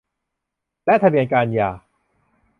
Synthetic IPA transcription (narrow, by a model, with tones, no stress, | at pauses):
lɛ˦˥t̪ʰa˧bi˧ənkaː˧njaː˨˩